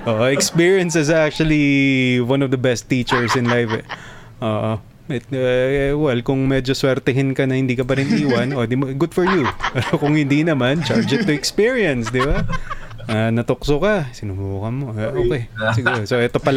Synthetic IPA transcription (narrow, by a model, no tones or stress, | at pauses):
ʔoːʔoɛkspiɹiɐnsɪzak̚t͡ʃʊɐliwɐnɔvd̪ɐbɛst̪ːiːt͡ʃɛɹsɪ̃nlajfɛ | ʔoːʔo | ɛt̪̚ɛwɛlkʊŋmɛd͡ʒoswɛɾt̪ɛɦɪnkɐnɐhɪnd̪iːkɐp̬ɐɾɪnʔiːwɐnod̪ɪmaɡʊd̪fɔɹjupɛɾokʊŋhɪnd̪inɐmant͡ʃaɹd͡ʒɛt̪ːʊɛkspiɹiɐnsd̪ɪba | anɐt̪oksokɐsɪnʊmuːkɐmo̞ʔoːkɛjsɪɡuːɾosoʔɛt̪o̞pɐl